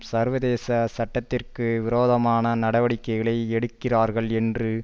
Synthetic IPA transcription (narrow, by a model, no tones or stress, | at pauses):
sɐɾʋɐðeːsɐsɐʈːɐt̪ːɪrkɯʋɪɾoːðɐmaːnɐnɐɽɐʋɐɽɪkːɐɪɣɐɭɐɪɛɽɯkːɪraːɾɣɐɭɛndrɯ